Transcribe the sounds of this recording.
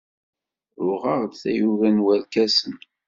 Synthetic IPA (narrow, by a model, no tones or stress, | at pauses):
ʊʁɑʁd̪θæ̰juvænwælkæsən